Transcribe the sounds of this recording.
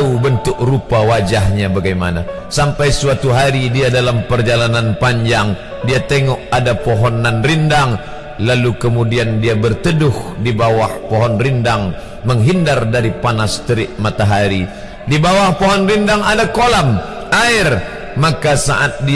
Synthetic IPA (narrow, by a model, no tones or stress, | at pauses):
ubənt̪ʊk̚rupawad͡ʒahɲabaɡajma̰na̰ | sampajsuat̪uɦaɾidiadalampərd͡ʒalananpaɲd͡ʒaŋ | diat̪ɛŋɔk̚adapɔɦɔnanrindaŋ | lalukəmudiandiabərt̪ədʊhdibawahpɔɦɔnrindaŋ | məŋɦindardaɾipanast̪əɾɪʔmat̪aɦaɾi | dibawahpɔɦɔnrindaŋadakolam | ʔaɪr | makasa̰ʔat̪̚di